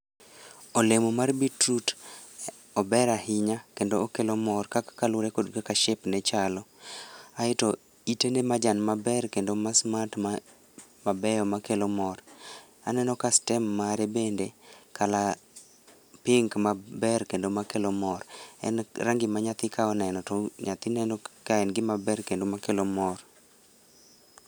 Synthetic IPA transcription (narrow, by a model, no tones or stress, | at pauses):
olemomarbitɾut | ɔbɛɾahɪɲakendoːkelomɔrkakkalʊɾekodkakaʃepnɛt͡ʃalɔ | aɪto | itenemad͡ʒanmabɛrkendomasmatma | mabɛjɔmakelɔmɔr | anɛnɔkastɛmːaɾebendekala | pɪŋkmabɛrkendomakelomɔrɛ̰nraŋɡɪmaɲat̪ɪkʰaɔnɛnɔtɔɲat̪ɪnɛnɔkaɛnɡɪmabɛrkendomakelomɔr